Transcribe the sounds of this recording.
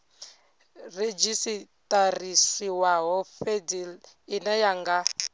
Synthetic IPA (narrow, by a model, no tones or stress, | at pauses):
red͡ʒisitʼarisiwaɦɔfedil | inɛjaŋɡa